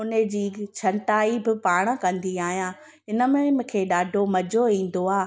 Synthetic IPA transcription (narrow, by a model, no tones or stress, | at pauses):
ʊnəd͡ʑiːt͡ɕʰɐɳʈaːibɪpaːɽ̃̆kɐ̃nd̪iaːɦijãː | ɦɪnə̆mẽmkʰeːɗaːɖʱomɐd͡ʑoĩːn̆d̪oaː